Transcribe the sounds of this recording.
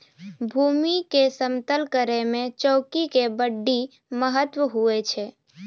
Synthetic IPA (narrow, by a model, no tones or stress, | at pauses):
bʱuːmikesəmt̪əlkəɾemẽt͡ʃɔːkikebəɖːi | məɦət̪wəɦuet͡ʃʰɛ